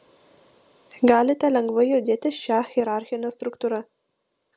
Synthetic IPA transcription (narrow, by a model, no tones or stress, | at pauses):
ɡɑːlet̪alaŋɡwəjod̪et̪eʃɑːhxeɾɑːɾxenast̪ɾukt̪uɾa